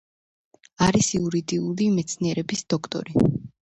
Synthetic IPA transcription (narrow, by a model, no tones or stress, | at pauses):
aɾisiuɾid̪iulimɛt̪sʰniɛɾɛbisd̪̥ɔkʰt̪ʼɔ̰ɾi